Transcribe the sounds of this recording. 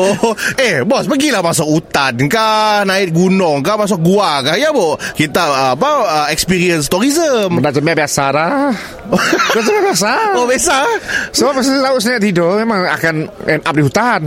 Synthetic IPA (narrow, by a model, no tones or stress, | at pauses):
oehbɔsməɡilahmasʊk̚ut̪ankanaɪt̪̚ɡunɔŋkahmas̬ʊk̚ɡuakahjabɔkit̪apaəɛkspiɾiəns̬t̪ɔɾizəmənad͡ʒəmiabiasalah | ɡod͡ʒəmabiasaobiasasopəsit̪auʔsəaʔt̪idomemaŋa̰kanɛnʔap̚diɦut̪an